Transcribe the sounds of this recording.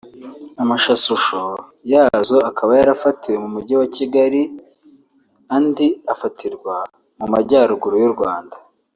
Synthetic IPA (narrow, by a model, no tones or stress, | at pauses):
amaʃasuʃo | jaːzo̞akʰaβajaɾafatiwe̞mumuɟiwaciɡaɾi | andiafatʰiɾɡwa | mumaɟaːɾuɡuɾujuɾɡwaːnda